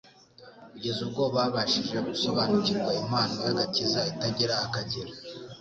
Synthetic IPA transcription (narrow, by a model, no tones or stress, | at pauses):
kuɟe̞zubɡo̞βaβaʃiʒe̞ɡuso̞βanuciɾɡwaimaːnojaɡatizaitaɟeɾaakaɟeɾa